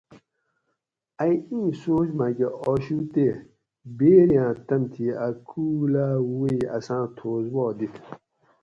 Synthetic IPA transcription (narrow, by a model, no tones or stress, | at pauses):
ajĩːsoːd͡ʑmaɡeʔɔːɕut̪e | beːɾjãːt̪ɐmt̪ʰiakʰuːlaːwiɐ̰sãːt̪ʰoːzwɔːd̪it̪ʰ